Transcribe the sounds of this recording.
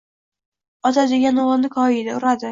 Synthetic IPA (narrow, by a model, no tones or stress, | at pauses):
ɒt̪ʰad̪ɪɡʲanʊɑnnɪkʰɒɪd̪aʊɾad̪ɪ